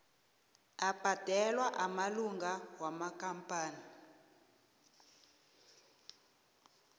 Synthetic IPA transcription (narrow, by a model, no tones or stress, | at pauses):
ab̥ʱad̥ʱɛlwaʔamaluŋɡawamakampʼaːni